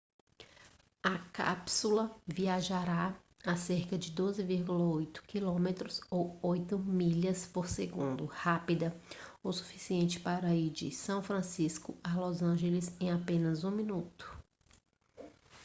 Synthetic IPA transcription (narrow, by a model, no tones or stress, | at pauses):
ɐka̰psulɐviaʒaɾa | aseɾkɐd͡ʒɪd̪ozɪviɾɡulɐojt̪ʊ̥kilõmet̪ɾʊzowojt̪ʊmiʎɐspoɾseɡũnd̪ʊhapid̪ɐowsu̥fisiẽnt͡ʃɪ̥paɾɐid͡ʒɪ̰sɐ̃w̃fɾɐ̃siskʊalozɐ̃ʒelɪsẽj̃apẽnɐzũmĩnut̪ʊ̥